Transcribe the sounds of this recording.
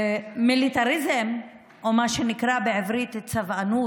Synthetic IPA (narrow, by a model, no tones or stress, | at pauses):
milit̪aɾizem | ʔomaʃenikʁabeʕivɾit̪t͡savanu